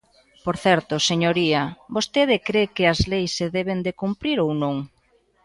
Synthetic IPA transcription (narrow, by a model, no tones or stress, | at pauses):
poɾθɛɾt̪ʊseɲoɾiɐbost̪eð̞ɪkɾekɪɐzlejsːeðɛβend̪ekumpɾiɾownõŋ